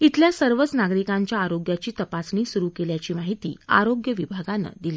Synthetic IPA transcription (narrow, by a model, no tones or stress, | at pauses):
it̪ʰljasəɾʋət͡snaɡɾikãɲt͡ɕjaːɾoɡjat͡ɕiːt̪əpasniːsuɾukeljat͡ɕiːmaɦit̪ḭːa̰ɾoɡjəʋibʱaɡanə̰d̪iliː